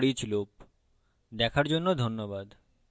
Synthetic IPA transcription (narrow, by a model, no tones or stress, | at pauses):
ɽit͡ɕlop | d̪ɛkʰaɾd͡ʑonːod̪ʱonːobad̪